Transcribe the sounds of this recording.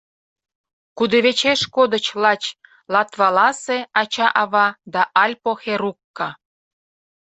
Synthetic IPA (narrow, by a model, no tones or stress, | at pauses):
kud̪ĕβet͡ɕeʃkod̪ə̆t͡ɕlɑt͡ɕ | lɑt̪βɑlɑseɑt͡ɕɑʔɑβɑd̪ɑʔɑlʲpoxeɾukːɑ